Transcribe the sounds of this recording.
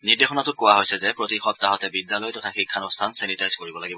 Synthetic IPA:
niɹdexɔnatʊt̚kowaɦojsɛzɛpɹotixɔp̚tːaɦɔtɛbidːalɔjtɔtʰaxikʰːanɔɹstʰansɛnitajz̥koɹibɔlaɡibɔ

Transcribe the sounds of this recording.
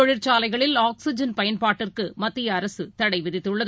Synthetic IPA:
ɔɻɪɾt͡ʃaːlɐɪɣɐɭɪlaːkksɪd͡ʒɐnpɐjɐnpaːʈːɪrkɯmɐt̪ːɪjɐːɾɐsɯt̪ɐɽɐɪʋɪɾɪt̪ːɯɭːɐð

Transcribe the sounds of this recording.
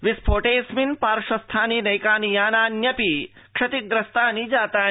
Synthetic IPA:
ʋispʰoːʈeːsminpaːɾʂɐst̪ʰaːninɐjkaːnijaːnaːnjɐpi | kʂɐt̪ik̚d̪ɾɐst̪aːnid͡ʒaːt̪aː

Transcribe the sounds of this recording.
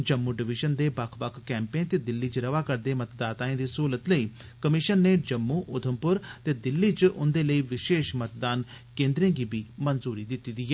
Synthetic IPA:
d͡ʒəmːuːɖɪʋɪʒənd̪eːbəkʰbəkʰkɛːmpeːnt̪eːd̪ɪlːiːt͡ʃɾəʋaːkəɾd̪eːmət̪d̪aːt̪aːẽːd̪iːsuːlət̪ləiːkəmɪʃənːeːd͡ʒəmːuːʔʊd̪ʰʱəmpʊɾt̪eːd̪ɪlːiːt͡ʃʊnd̪eːləiːʋɪʃeːʃmət̪d̪aːn | kẽːnd̪ɾẽːɡiːbiːmənzuːɾiːd̪ɪt̪ːiːd̪iːɦɛː

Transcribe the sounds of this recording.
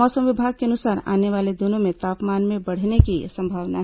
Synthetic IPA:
ɔːsəmʋɪbʱaːɡ̚keɐnʊsaːɾa̰ːneʋaːled̪ʊnõmẽt̪aːpmaːnmẽbɐɽ̤nekisɐ̃mbʱaːʋna̰ɦ

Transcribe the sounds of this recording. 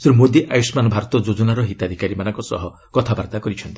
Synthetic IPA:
sɾumod̪iʔajusmanɔbʱaɾɔt̪ɔd͡ʒod͡ʒonaɾɔɦit̪ad̪ʱikaɾimanɔŋkɔsɔ̰ɦɔ | kɔt̪ʰabaɾd̪akɔɾit͡ʃʰɔnt̪i̥

